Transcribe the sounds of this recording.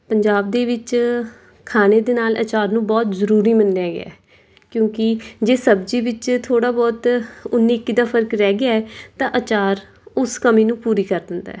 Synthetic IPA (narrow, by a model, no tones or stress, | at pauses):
pəɲd͡ʒaːbd̪eːʋɪt͡ʃ | kʰaːneːd̪eːnaːlə̰t͡ʃaːɾnũːbɔːt̪zəɾuːɾiːmənɖaːɡɪ̰a̰ːɛː | kjõːkɪd͡ʒeːsəbd͡ʒiːʋɪt͡ʃt̪ʰoːɽaːbɔːt̪ʊnːiːkːiːd̪aːpʰəɾkɾɛːɡɪaːɛːt̪ãːʔət͡ʃaːɾ | ʊskəmiːnũːpuːɾiːkəɾd̪ɪnd̪a̰ɛː